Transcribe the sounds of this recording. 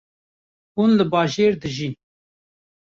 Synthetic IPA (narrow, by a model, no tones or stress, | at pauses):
hunlɨbɑːʒeːɾd̪ɨʒi